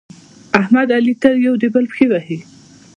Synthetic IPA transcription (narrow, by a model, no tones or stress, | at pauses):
ahmad̪alit̪ajawd̪ebəlpxewahi